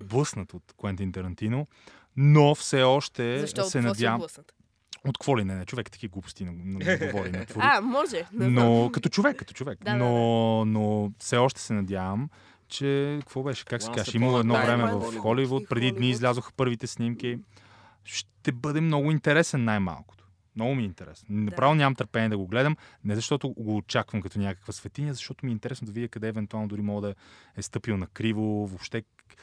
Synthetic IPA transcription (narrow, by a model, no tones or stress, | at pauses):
blˠɤsnət̪ot̪kʊɛnt̪int̪ɐɾɐnt̪ino | nofsɛɔʃt̪ɛsɛnɐd̪ja | ot̪kvɔlinɛnɛt͡ʃovɛkt̪ːɐ̥kʲiɡupst̪inɐnɐɡɡovɔɾinɐt̪vomɔʒɛnokɐt̪ɔt͡ʃovɛkːɐt̪ɔ̥t͡ʃovɛknonofsɛɔʃt̪ɛ̥sɛnɐd̪ʲjavəm | t͡ʃɛkəkvɔbɛʃɛ̥kaksɛ̥kaʃɛiməlˠoɛd̪nɔvɾɛmɛvɐfxɔlivut̪̚pɾɛd̪id̪niːzlʲazoxɐ̥pɤɾvit̪ɛsnimk̟i | ʃt̪ɛbɤd̪ɛmnɔɡʊint̪ɛɾɛsɛnːajma̰lˠkʊ̥t̪o̥ | mnɔɡʊmiɛint̪ɛɾɛ̰sɛ̥nnɐpɾavɛlnonʲɲamɐmt̪əɾpɛnʲiɛd̪ɐɡoɡlɛd̪əmnɛzɐʃt̪ɔt̪ʊɡoːt͡ʃakvəmkɐt̪ɔnʲjakə̥kvəsvɛt̪inʲəzɐʃt̪ɔt̪ʊmiɛint̪ɛɾɛsnoʊd̪ɐvid̪ʲjəkɐd̪ɛːvɛnt̪ualˠnod̪ʊɾimɔɡd̪ɐɛst̪ɤpilˠnɐkɾivovopʃt̪ɛ